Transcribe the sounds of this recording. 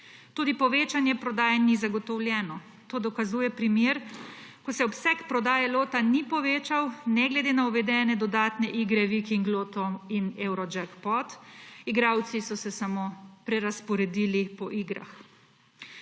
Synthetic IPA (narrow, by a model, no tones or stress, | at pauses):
t̪uːd̪ipɔʋeːt͡ʃanjɛpɾɔd̪aːjɛnizaɡɔt̪ɔwlʲjɛːnɔ | t̪oːd̪ɔkazuːjɛpɾimjeːɾkɔsɛɔpsɛkpɾɔd̪aːjɛloːt̪anipɔʋeːt͡ʃawnɛɡlɛd̪enauʋɛd̪ɛːnɛd̪ɔd̪aːt̪nɛʔiːɡɾɛʋikiŋɡloːt̪ɔinɛwɾɔd͡ʒɛkpɔt̪iɡɾaːwt̪sisɔsɛsamoːpɾɛɾaspɔɾɛd̪iːlipɔʔiːɡɾa̰x